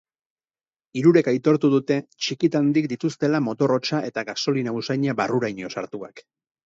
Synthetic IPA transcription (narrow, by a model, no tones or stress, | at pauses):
iɾuɾe̞kajt̪o̞ɾt̪uð̞ut̪e̞t͡ʃikit̪and̪ikd̪it̪ust̪e̞lamo̞t̪o̞ro̞t͡ʃaʔe̞t̪aɣaso̞linausajɲaβaruɾajɲo̞saɾt̪ua̰k